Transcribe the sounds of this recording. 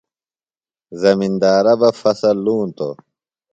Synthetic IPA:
zɐmind̪aːɾɐbɐfɐsɐlːuːnt̪o̰

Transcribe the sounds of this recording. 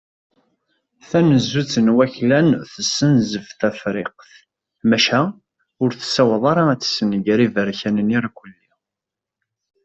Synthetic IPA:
θænəzːut͡sːənwæçlænθəsːənzəfθæfɾɪqθ | mæʃæ | ʊɾθsːæwɑðˤɑɾˤɑæt͡sːsənəɡɾivəɾçænəniɾakʷəlːi

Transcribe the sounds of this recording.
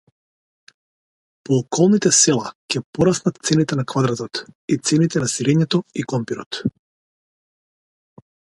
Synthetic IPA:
pɔːkɔlˠnit̪ɛsɛlˠacɛpɔɾasnat̪t̪sɛnit̪ɛnakvad̪ɾat̪ɔt̪it̪sɛnit̪ɛnasiɾɛɲɛt̪ɔikɔmpiɾɔ̰t̪

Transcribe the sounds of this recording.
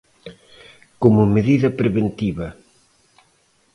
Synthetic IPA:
komʊmeðiðɐpɾeβent̪iβɐ

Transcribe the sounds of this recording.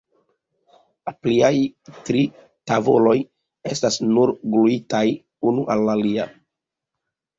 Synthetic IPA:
lapliajtɾi | tavo̞̰lo̞j | e̞stasnuɾɡluitaj | unuʔalːalia

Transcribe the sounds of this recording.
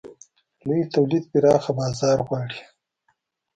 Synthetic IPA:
lujit̪awlid̪piɾɑːxabɑːzɑːɾɣwɑːɽi

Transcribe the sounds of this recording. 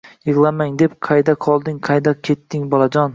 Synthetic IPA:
jɨʁlˠamaŋd̪e̞pqʰɑjd̪aqʰɒlˠd̪ɪŋqʰɑjd̪akʲʰe̞t̪ːɪŋbɒlˠad͡ʒɒn

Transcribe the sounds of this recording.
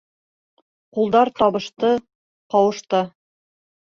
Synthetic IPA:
qulˠd̪ɑɾt̪ɒβɤ̆ʃt̪ɤ | qɒwɤ̆ʃt̪ɤ

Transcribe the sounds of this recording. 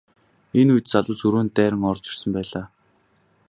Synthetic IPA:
enujt̪t͡saɮʊːsɵɾoːnt̪æːɾə̆ŋɔrt͡ɕɪ̥̆rsə̆mpæːɮaː

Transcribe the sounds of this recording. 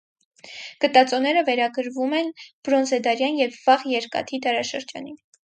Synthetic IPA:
ɡ̥ət̪ɑt͡sɔnɛɾəvɛɾɑɡəɾvumɛnb̥ɾɔnzɛd̪ɑɾjɑnjɛvːɑʁjɛɾkɑ̰t̪ʰid̪ɑɾɑʃəɾd͡ʒɑ̰nin

